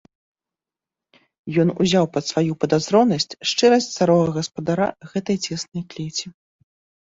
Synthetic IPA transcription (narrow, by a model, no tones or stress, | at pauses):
jɔnṵzʲawpɐt̪svajupɐd̪azɾɔnɐsʲt͡sʲʂt͡ʂɛɾɐsʲt̪ʲsaɾɔɣɐɣɐspɐd̪aɾa̰ɣɛt̪ɐjt͡sʲɛsnɐjklʲɛt͡sʲi